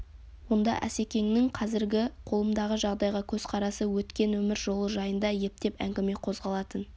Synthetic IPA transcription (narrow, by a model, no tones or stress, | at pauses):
wo̞nd̪ɑ̰ʔæ̰se̞kʲe̞ŋnɪŋqʰɑzɪɾɡʲɪqʰo̞lˠəmd̪ɑʁəʒɑʁd̪ɑjʁɑkʲʰɵz̥qʰɑɾɑsəwɵt̪kʲe̞nwɵmɪɾʒo̞lˠəʒɑjənd̪ɑje̞p̚t̪e̞pæŋɡʲɪme̞qʰo̞zʁɑlˠɑt̪ən